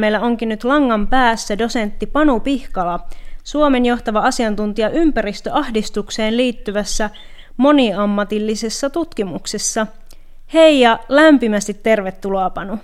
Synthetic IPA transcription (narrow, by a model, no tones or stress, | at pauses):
mejlːæoŋkinnyt̪lɑŋːɑmpæːsːædo̞se̞nt̪ːipɑnupihkɑlɑsuome̞njoht̪ɑʋɑɑsiɑnt̪unt̪iɑʔympæɾist̪øɑhdist̪ukseːnliːt̪ːyʋæsːæ | mo̞niɑmːɑt̪ilːise̞sːɑt̪ut̪kimuksesːɑ | he̞ijɑlæmpimæst̪it̪ːe̞rʋet̪ːuloɑpɑnu